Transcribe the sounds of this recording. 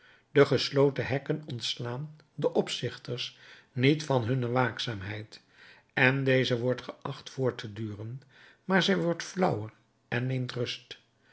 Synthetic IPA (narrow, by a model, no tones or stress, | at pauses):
dəχəslowtəɦɛkənɔntslaːn | dəʔɔpsɪχtəɹs | nitfɑnɦɵnəʋaːksaːmɦɛjt | ɛndejzəʋɔɹtχəʔɑχtfʊːɹtədyːrən | maːɹzɛjʋɔɹtflʌwər | ɛnːejmtrɵst